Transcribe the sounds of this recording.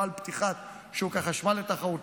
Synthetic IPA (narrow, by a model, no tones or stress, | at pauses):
alpt̪iχat̪ | ʃeukaχaʃmalet̪aχaut̪